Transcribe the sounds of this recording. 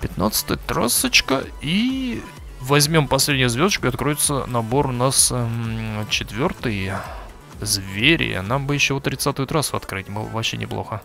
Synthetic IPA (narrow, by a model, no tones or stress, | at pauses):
pʲɪt̪na̰t̪sə̥t̪əjət̪ɾasət͡ɕkəi | vɐzʲmʲo̞mpɐsʲlʲedʲnʲɪjʊzʲvʲod̪ət͡ɕʲkʊɪɐt̪kɾojɪt̪sənɐbo̞rʊnas | t͡ɕɪt̪vʲo̞rt̪ɨjə | zvʲeɾʲɪ̰jə̰nambɨjɪɕːovot̪ːɾʲɪt̪sat̪ɨjt̪ɾasɐt̪kɾɨtʲmɨ̰vɐɕːenʲɪ̰plˠo̞̰xə